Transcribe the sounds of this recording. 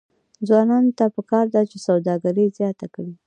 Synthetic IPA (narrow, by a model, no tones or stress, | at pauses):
d͡zwɑnɑnot̪apəkɑɾd̪at͡ʃesawd̪ɑɡaɾəzjɑt̪akɽi